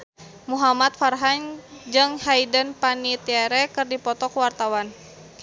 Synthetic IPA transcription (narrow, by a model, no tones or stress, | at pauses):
muɦamat̪̚farɦaɲd͡ʒɨŋhajdənpanit̪iaɾɛkɨrdipɔt̪ɔkuwart̪awan